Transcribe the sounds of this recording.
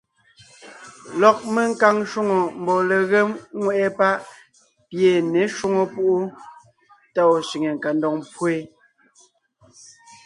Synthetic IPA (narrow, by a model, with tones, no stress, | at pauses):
lɔ˨k̚me˦ŋ̩˦ka˦ŋʃu˦ŋo˨m̩˨bɔ˨le˨ɣe˦mŋwɛ˦˨ʔɛ˦pa˦ʔ | pje˨ne˨˦ʃu˦ŋo˨pu˦ʔu˦ | ta˦˨o˨ʃi˨ŋe˨ŋ̩˨ka˨ndɔ˨ŋmpwe˦